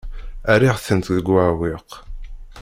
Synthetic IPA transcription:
æɾiʁθənt̪ðəɡawiq

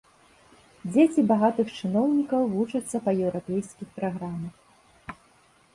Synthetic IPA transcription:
d͡zʲet͡sʲibaɣat̪ɨxt͡ʂɨnɔwnʲikɐwvut͡ʂɐt̪sːɐpɐjɛwɾapʲɛjskʲixpɾaɣɾamɐx

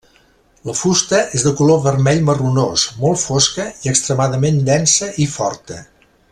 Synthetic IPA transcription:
ləfust̪əezðəkuloβərmɛʎmərunosmɔlˠfoskəiəkst̪ɾəmaðəmend̪ɛnsəʔifɔrt̪ə

